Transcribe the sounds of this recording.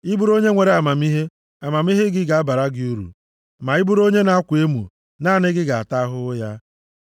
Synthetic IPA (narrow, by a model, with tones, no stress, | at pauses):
ɪ˦bu˦ɾo˦ɲe˦ŋʷe˨ɾe˨˦a˨ma˨mi˦ɦe˦ | a˨ma˨m˦i˦ɦɪ˦ɡɪ˦ɡa˨a˦ba˨ɾa˦ɡɪ˦u˦ɾṵ˨ | ma˨ɪ˦bu˦ɾo˦ɲe˦na˨a˦kʷe˦mṵ˨ | naː˦˨nɪ˦ɡɪ˦ɡa˨a̰˨ta˦ɦʊ˦ja˦